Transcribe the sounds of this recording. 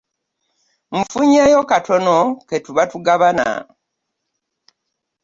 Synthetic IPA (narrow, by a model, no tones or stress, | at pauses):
m̩fuɲeːjokatʰonoketuβatuɡaβana̰